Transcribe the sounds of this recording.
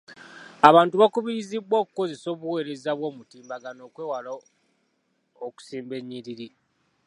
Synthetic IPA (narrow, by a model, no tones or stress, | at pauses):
aβaːntuβakuβijizibwo̞ːku̥ko̞ze̞so̞ːβuwe̞ːɾe̞zaβwo̞ːmutiːmbaɡano̞ːkwe̞ːwalo | oku̥siːmbe̞ɲːiɾiɾi